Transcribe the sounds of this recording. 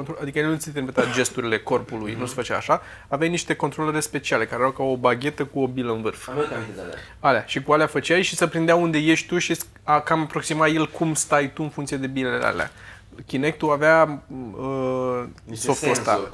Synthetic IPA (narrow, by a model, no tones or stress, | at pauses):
ont̪ɾoad̪ikəjelenut̪sint̪emiet̪at̪d͡ʒe̞st̪uɾile̞ko̞rpulujnuse̥fət͡ʃa̰a̰ʃa | avejajniʃt̪e̞ko̞nt̪ɾoleɾespe̞t͡ʃiale̞kaɾeɾawkawobaɡʲe̞t̪əkuo̞biləɨnvɨrf | aleaʃikualeafət͡ʃajʃisəpɾind̪eaund̪e̞je̞ʃʲt̪uʃis | akamapɾo̞ksimaje̞lkʰumst̪ajt̪uɨnfuŋt̪sijed̪e̞bilelḛa̰la̰ | kʲinek̚t̪uaveaə | soft̪ost̪a̰